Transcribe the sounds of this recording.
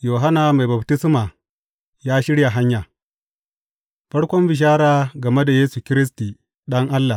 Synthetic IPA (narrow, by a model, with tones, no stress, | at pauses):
joː˨ɦa˦naː˨ma˨jba˨btɪ˦sma˨ | jaː˦ʃɪ˦ɽja˨ɦa˦ɲjaː˨ | ɸɐ˦ɽkʷɔ˦mbɪ˨ʃ̬aː˦ɾaː˦ɡɐ˨me˦da˨jeː˦su˨kʲɪ˦ɾɪ˦s̬ti˨ | ɗɐ˦ŋʔa˦lːa˨